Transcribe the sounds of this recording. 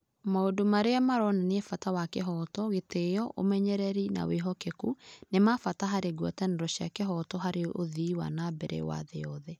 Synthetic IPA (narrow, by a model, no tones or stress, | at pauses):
maodomaɾeamaɾɔnaneɛfatawakeɦɔtɔɣetejɔʔo̰mɛɲɛɾɛɾina̰weɦɔkekunemafataɦaɾeɡwɔtɛnɛɾɔɕiakeɦɔtɔɦaɾeʔoðiwa̰nabɛɾɛ̰wa̰ðɛɔðɛ